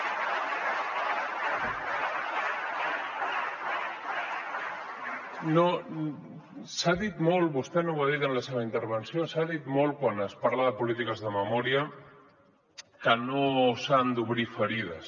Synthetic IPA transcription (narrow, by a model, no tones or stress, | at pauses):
no | saðit̪molbust̪enoβaðit̪ənləseβəint̪əɾβ̞ənsjosaðit̪molkwanəspaɾlaðəpulit̪ikəzðəməmɔɾia | kənosand̪uβɾifəɾiðəs